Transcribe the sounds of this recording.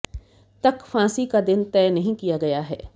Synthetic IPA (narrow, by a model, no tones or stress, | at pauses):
t̪ɐkfãːsikad̪ɪnt̪ɛːnɐɦĩkijaɡɐjaɦɛː